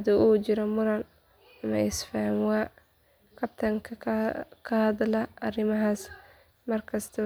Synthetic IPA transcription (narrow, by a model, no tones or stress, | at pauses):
ɐd̪uʔuːd͡ʒɪɾɔmʊɾɐn | ɐmɐɪsfamwa | kʰɐb̚t̪ʰɐŋkʰɐkʰɐhɐd̪lɐɐrɪmɐɦaːs | mɐrkʰɐst̪ʰɐ